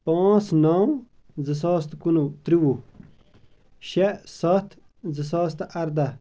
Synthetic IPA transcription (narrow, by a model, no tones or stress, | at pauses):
pãːt͡snaw | zəs̬aːst̪kunut̪ɾiwu | ɕesɐt̪ʰ | zəs̬aːst̪ɐɾd̪ɐ